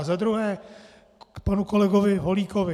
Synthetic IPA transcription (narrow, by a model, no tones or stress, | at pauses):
zad̪ɾuɦɛː | panukolɛɡovɪɦoliːkovɪ